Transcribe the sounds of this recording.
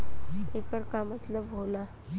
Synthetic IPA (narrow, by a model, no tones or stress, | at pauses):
ekəɾkamat̪ləbʱola